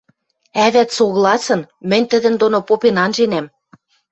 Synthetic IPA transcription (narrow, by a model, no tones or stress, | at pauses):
æβæt̪soɣlˠɑsɤ̆nmɘ̆nʲt̪ə̆d̪ə̆nd̪onopopenɑnʒenæm